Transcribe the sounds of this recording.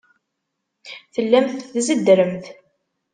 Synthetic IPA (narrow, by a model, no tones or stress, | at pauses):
θəlːæmθθzəd̪ɾəmθ